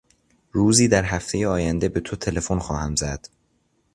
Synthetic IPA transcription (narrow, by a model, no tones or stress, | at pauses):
ɾuːziːd̪æɾhæft̪ʰe̞jeɒːjænd̪e̞be̞t̪ʰot̪ʰe̞le̞fo̞nxɒːhæmzæd̪̥